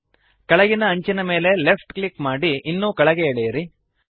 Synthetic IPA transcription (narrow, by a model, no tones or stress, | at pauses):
kɐɭɐɡinɐːɲt͡ʃinɐme̞ːle̞lepʈklikmaːɽiʔːnːuːkɐɭɐɡeeɭɛjɐɾi